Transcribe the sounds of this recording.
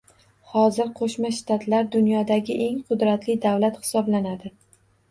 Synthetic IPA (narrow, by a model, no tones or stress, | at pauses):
hɒzɪɾqʰoʃmaʃt̪ʰat̪ʰlaɾd̪ʊnjɒd̪aɡʲɪʔe̞ŋqʰʊd̪ɾat̪lɪd̪awlat̪hɪ̥sɒblanad̪ɪ